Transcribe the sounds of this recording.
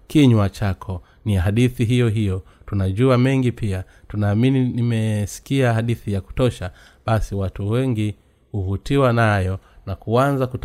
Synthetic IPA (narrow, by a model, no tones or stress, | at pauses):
kiɲwat͡ʃakʰɔ | niaɦaɗiθiɦijɔɦijɔ | tunaʄuamɛŋɡipia | tunaːmininimɛsi̥kiahaɗiθijaku̥tɔʃa | ɓasiwatuwɛŋɡi | huvutiwanajɔnakuanzakut